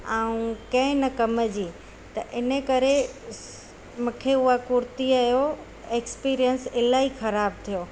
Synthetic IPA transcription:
aːũkɐ̃ɦɪ̃nɐkɐməd͡ʑiː | t̪ɐʔɪnəkɐɾe | mũːkʰeʊɦakʊɾt̪iaːjo | eːkspiːɾijənsɪlaːixɐɾaːb̚t̪ʰijoː

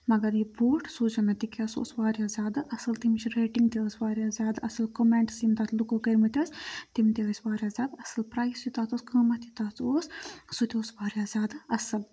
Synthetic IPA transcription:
mɐɡɐɾjiboːʈʰsuːd͡ʒɐnɐt̪ikʲɐso̰ːsʋaːɾjaːzʲjaːd̪ɨʔɐsɐlt̪imt͡ʃʰiɾeːʈiŋɡt̪ʲeəsʲʋaːɾʲjaːzʲaːd̪ɐsɐlkomeɳʈsimt̪aːt̪ʰlukokɐɾmɐt̪ʲɐːst̪imt̪eəːsʲʋaːɾjaːzʲaːd̪ɐsɐlpɾaːjsit̪aːt̪oːskəːmɐt̪ʲit̪aːt͡s̪ʰoːssut̪ʲioːsʋaːɾʲjaːzʲjaːd̪ɐsɐl

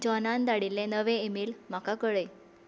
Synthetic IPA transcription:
d͡ʑɔnand̪aɽilːenəʋẽemiːlm̤akakəɭəj

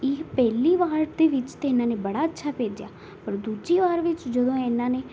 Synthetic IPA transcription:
ɪpɛːliːʋaːɾd̪eːʋɪt͡ʃt̪eːɪnãːneːbəɽaːətːʃʰaːpeːd͡ʒja̰ː | pəɾd̪uːd͡ʒiːʋaːɾʋɪt͡ʃd͡ʒəd̪õːɪnãːneː

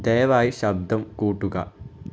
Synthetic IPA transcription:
d̪eːjɐʋaːjiɕɐb̚d̪ɐmkuːʈːuɡɐ̰

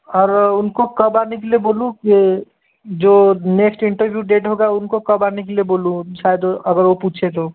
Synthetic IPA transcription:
ɔːɾʊnkokɐbaːɾnekelieboːlũke | d͡ʒoːneːksʈɪ̃ɳʈəɾʋjuːɖeːʈɦoːɡaʊnkokɐbaːnek̬elieboːlũʃaːjəd̪ɐɡəɾʋopuːt͡ʃʰet̪o

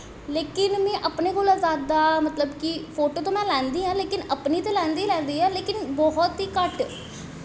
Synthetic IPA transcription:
leːkɪnmɛ̃ːʔəpneːkoːlazaːd̪aːmət̪ləbkipʰoːʈoːt̪õːmɛ̃ːlɛ̃ːnd̪iːãːleːkɪnəpniːt̪eːlɛ̃ːnd̪iːlɛ̃ːnd̪iːɛːleːkɪnbɔɦɔt̪ɦiːkəʈ

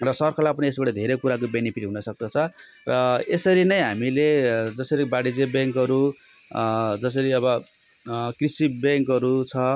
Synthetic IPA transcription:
rʌsʌrkʰʌlapʌniesbaʈʌd̪ʱeɾʌkuɾak̬obenipʰiʈɦunʌsʌk̚d̪ʌt͡sʰʌ | rʌesʌɾinʌjɦamiled͡zʌsʌɾibaɽid͡zebjaŋkʌɾu | d͡zʌs̬ʌɾiʌbʌ | krisibaŋkʌɾut͡sʰʌ

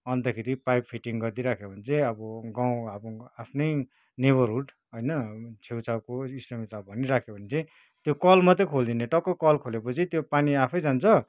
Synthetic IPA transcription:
ʌnt̪ʌkʰeɾipajppʰiʈiŋɡʌrd̪iɾakʰebʱʌnt͡sʰʌʌbʌɡaw̃abapʰnʌj | neβʌrɦuʈ | ʌjnʌt͡sʰewt͡sʰawkoisʈʌmit̪awbʱʌniɾakʰjobʱʌnet͡sʰʌ̃ | t̪jokʌlmʌt̪ʌkʰold̪ineʈʌkːokʌlkʰolepot͡sʰit̪jopaniapʰʌjd͡zant͡sʰʌ

